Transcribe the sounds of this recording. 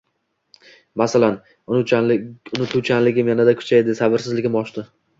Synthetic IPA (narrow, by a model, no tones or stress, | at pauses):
masalan | ʊ | ʊnɪt̪ʰut͡ʃʰanlɪɡʲɪmjanad̪akʰʊ̥t͡ʃʰajd̪ɪsabɪɾsɪzlɪɡʲɪmɒʃt̪ɪ